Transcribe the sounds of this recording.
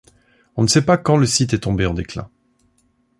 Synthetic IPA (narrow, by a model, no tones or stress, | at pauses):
ɔ̃nəsɛpakɑ̃ləsit̪ɛt̪ɔ̃beɑ̃d̪eklɛ̰̃